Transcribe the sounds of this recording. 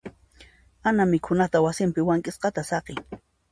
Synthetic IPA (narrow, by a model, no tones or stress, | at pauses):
anamɪkʰʊnat̪awasɪmpɪwaŋkʼɪsqɑt̪asɑqeŋ